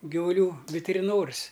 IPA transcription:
ɡʲɪʋʊˈlʲuː ʋʲɪtʲɪrʲɪˈnoːrʲɪs

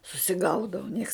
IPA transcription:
sʊsʲɪˈɡɐʊdɐʊ nʲiɛks

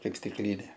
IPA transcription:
ˈkɐɪp sʲtʲɪkˈlʲiːnʲeː

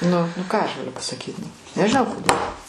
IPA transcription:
ˈnʊ nʊ ˈkɑː ɐʃ ɡɐˈlʲʊ pɐsɐˈkʲiːt nʊ nʲɛʒʲɪˈnɐʊ koːˈdʲeːlˠ

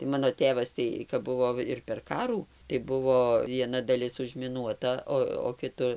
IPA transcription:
tɐɪ ˈmɑːnoː ˈtʲeːʋɐs ˈtɐɪ kɐp ˈbʊʋoː ɪr pʲɛr ˈkɑːruː tɐɪ ˈbʊʋoː ʋʲiɛˈnɐ dɐˈlʲɪs ʊʒʲmʲɪˈnuɔtɐ ˈoː oː kʲɪˈtʊ

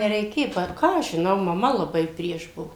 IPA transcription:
nʲɛrʲɛɪˈkʲeː ˈpɐr ˈkɑː ɐʃ ʒʲɪˈnɐʊ mɐˈmɐ lˠɐˈbɐɪ ˈpʲrʲiɛʃ ˈbuɔ

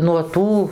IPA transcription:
nuɔ ˈtuː

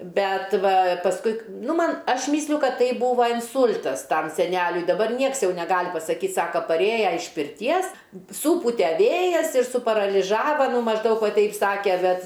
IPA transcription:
ˈbʲɛt ˈʋɐ pɐsˈkʊɪ k ˈnʊ ˈmɐn ˈɐʃ ˈmʲiːsʲlʲʊ ˈkɐt ˈtɐɪ ˈbuːʋɐ ɪnˈsuːlʲtɐs ˈtɐm sʲɛˈnʲælʲʊɪ dɐˈbɐr ˈnʲiɛks ˈjɛʊ nʲɛˈɡɐlʲ pɐsɐˈkʲiːt ˈsɑːkɐ pɐˈrʲeːjɛ ɪʃ pʲɪrʲˈtʲiɛs suːˈpʊtʲɛ ˈʋʲeːjɛs ɪr sʊpɐrɐlʲɪˈʒɑːʋɐ mɐʒˈdɐʊk ˈʋɐ ˈtʲɛɪp ˈsɑːkʲɛ ˈbʲɛt

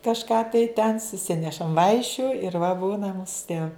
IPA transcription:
kɐʃˈkɑː tɐɪ tʲɛn sʊˈsʲɪnʲɛʃɐm ˈʋɐɪʃʲʊ ɪr ʋɐ ˈbuːnɐ ˈmuːsʊ tʲiɛ

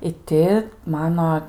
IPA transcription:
ɪ ˈtʲɪ ˈmɑːnoː

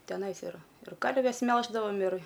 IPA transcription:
tʲɛˈnɐɪs ɪˈrɐ ɪr ˈkɐrʲʋʲɛs ˈmʲɛlˠʒdɐʋoːm ɪr

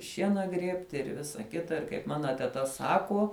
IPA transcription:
ˈʃʲiɛnɐ ˈɡrʲiɛpʲtʲɪ ɪr ˈʋʲɪsɐ ˈkʲɪtɐ ɪr kɐɪp ˈmɑːnɐ tʲɛtɐ ˈsɑːkuɔ

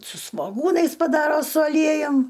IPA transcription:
sʊ sʋoːˈɡuːnɐɪs pɐˈdɑːroː sʊ ɐˈlʲiɛjʊm

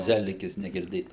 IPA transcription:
ˈzʲæːlʲɪkʲɪs nʲɛɡʲɪrʲˈdʲeːtɐ

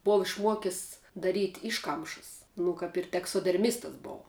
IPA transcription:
ˈboːʋɐ ɪʃˈmuɔkʲɪs dɐˈrʲiːtʲ ˈɪʃkɐmʃəs nʊ ˈkɐp ɪr tʲɛksoːdʲɛrʲˈmʲɪstɐs ˈboːʊ

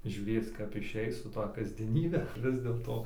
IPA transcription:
ʒʲuːˈrʲeːt͡s kɐp ɪˈʃʲɛɪs sʊ ˈtɐ kɐzʲdʲiɛˈnʲiːbʲɛ ˈʋʲɪs dʲeːlˠtoː

